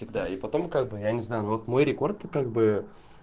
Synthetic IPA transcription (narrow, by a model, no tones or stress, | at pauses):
sʲɪɡd̪aipɐt̪o̞mkaɡ̚bɨjanʲɪznajʊnovot̪mo̞jɾʲɪko̞rt̪kaɡ̚bɨ